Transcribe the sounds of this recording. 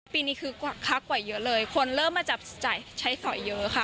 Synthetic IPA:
piː˧niː˦˥kʰɯː˧kwa˨˩kʰa˦˥kwa˨˩jːɤ˦˥lɤː˧jkʰo˧nɾɤː˥˩mːaː˧t͡ɕa˨˩p̚t͡ɕaː˨˩jt͡ɕʰa˦˥jsɔ˨˩˦jːɤ˦˥kʰa˧˥˩

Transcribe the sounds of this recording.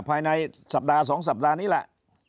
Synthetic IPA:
pʰaː˧jna˧jsa˨˩p̚daː˧s̬ɔː˩˦ŋs̬a˨˩p̚daː˧niː˦˥˩lɛ̰˨˩ʔ

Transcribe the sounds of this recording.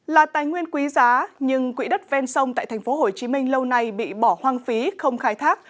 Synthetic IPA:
laː˨˩t̪aː˨˩jŋwi˧ənkwi˨˦zaː˨˦ɲɨ˧ŋkwḭ˧˥ɗə˦˥t̚vɛ˧nsə˧wŋ͡mt̪a̰ː˧˨t̪ʰɛ˨˩ŋ̟fo˨˦ɦo˨˩jt͡ɕi˨˦mï˧ŋ̟lə˧wna˧jɓḭ˧˨ɓɔ˧˩hwaː˧ŋfi˨˦xə˧wŋ͡mxaː˧jt̪ʰaː˦˥k̚

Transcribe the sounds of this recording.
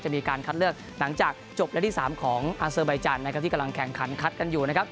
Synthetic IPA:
t͡ɕa˨˩miː˧kaː˧nkʰa˦˥t̪̚lɯ˥˩ək̚ | la˩˦ŋt͡ɕaː˨˩k̚t͡ɕo˨˩p̚lɛ˦˥t̪ʰi˥˩saː˩˦mkʰɔː˩˦ŋʔaː˧sɤː˧ba˧jt͡ɕaː˧nːa˦kʰa˦˥t̪i˥˩a˧mla˧ŋkʰɛ˨˩˦ŋkʰa˨˩˦nkʰa˦˥t̪̚ka˧njuː˨˩na˦˥kʰa˦˥p̚

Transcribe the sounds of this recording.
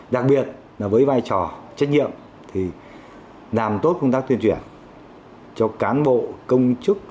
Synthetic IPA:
ɗa˨˩k̚ɓi˨˩ət̚ | laː˨˩vəː˨˦jvaː˧jt͡ɕɔ˨˩t͡ɕa˦˥k̟̚ɲḭ˧˨əm | t̪ʰi˨˩ | laː˨˩mt̪o˦˥t̚kə˧wŋ͡mt̪aː˦˥k̚t̪wənt͡ɕwi˧˩ən | t͡ɕɔ˧kaː˨˦nɓo̰˧˨kə˧wŋ͡mt͡ɕɨ˦˥k̚

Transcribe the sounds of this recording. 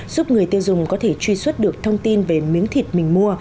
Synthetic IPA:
zu˦˥p̚ŋɨ˨˩əjt̪i˧wzʊ˨˩ŋ͡mkɔ˨˦t̪ʰe˧˩t͡ɕwi˧swə˦˥t̚ɗɨ˨˩ək̚t̪ʰə˧wŋ͡mt̪i˧nve˨˩mi˨˦əŋt̪ʰi˨˩t̚mï˨˩ŋ̟mu˧ə

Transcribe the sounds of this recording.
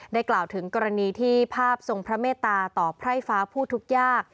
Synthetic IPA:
daː˥˩jklaː˨˩wt̪ʰɯ˩˦ŋkɔː˧ɾa˧niː˧t̪ʰiː˥˩pʰaː˥˩p̚so˧ŋpʰɾa˦˥meː˥˩t̪ːaː˧t̪ɔː˨˩pʰɾa˥˩jfaː˦˥pʰuː˥˩t̪ʰu˦˥k̚jaː˥˩k̚

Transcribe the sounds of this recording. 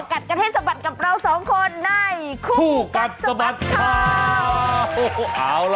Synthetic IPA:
ka˨˩t̪̚ka˧e˥˩t̪̚sa˧ba˨˩t̪̚ka˨˩p̚ɾa˧wsɔː˩˦ŋkʰo˧nːa˥˩jkʰuː˧kuː˥˩ka˨˩t̪̚sa˧ba˨˩t̪̚kʰa˧˩ | ʔaː˨˧˩wl

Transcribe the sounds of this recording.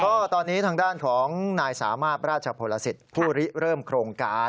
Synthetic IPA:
kɔː˥˩t̪ɔː˧nːiː˦˥t̪ʰaː˧ŋdaː˥˩nkʰɔː˩˦ŋnaː˧jsa̰ː˩˦maː˥˩t̪̚ɾaː˥˩t̪̚t͡ɕʰə˧pʰoː˧la˧si˨˩t̪̚pʰuː˥˩ɾi˦˥ɾɤː˥˩mkʰɾoː˧ŋkaː˧

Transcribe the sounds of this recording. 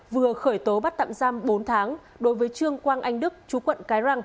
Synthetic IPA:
vɨ˨˩əxəː˧˩jt̪o˨˦ɓa˦˥t̚t̪a̰˧˨mzaː˧mɓo˨˦nt̪ʰaː˨˦ŋ | ɗo˨˦jvəː˨˦jt͡ɕɨ˧əŋkwaː˧nʔa˧jŋ̟ɗɨ˦˥k̚t͡ɕu˨˦kwə̰˧˨nkaː˨˦jza˧ŋ

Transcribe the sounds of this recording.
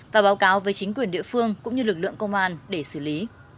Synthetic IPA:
vaː˨˩ɓaː˨˦wkaː˨˦wvəː˨˦jt͡ɕï˨˦ŋ̟kwi˨˩ənɗḭ˧˨fɨ˧əŋkʊ̰˧˥ŋ͡mɲɨ˧lɨ˨˩k̚lɨ̰˧˨əŋkə˧wŋ͡mʔaː˧nɗe˧˩sɨ˧˩li˨˦

